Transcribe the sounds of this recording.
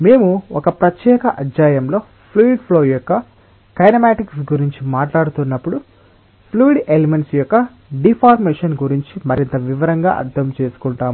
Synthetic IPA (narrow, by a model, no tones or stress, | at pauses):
me̞ːmuɔkɐpɾɐt̪jɛːkɐʔɐd͡ʒaːjɐmlo̞ː | pʰluiɖpʰloːjɔkːɐ | kɐjnɐmaːʈiksɡuɾiɲt͡ʃimaːʈlaːɽut̪unːɐpːuɽu | pʰluːiɖelimeɳʈsjɔkːɐ | ɖipʰaːɾmeːʂɐnɡuɾiɲt͡ʃimɐɾint̪ɐʋiʋɐɾɐŋɡa̰ːʔɐ̰ɾt̪ʰːɐmt͡ʃe̞ːsu̥kuɳʈaːmu